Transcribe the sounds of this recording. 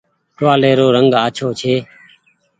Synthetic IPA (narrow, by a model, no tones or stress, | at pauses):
ʈʋaːleːɾoːɾəŋɡaːt͡ʃʰoːt͡ʃʰeː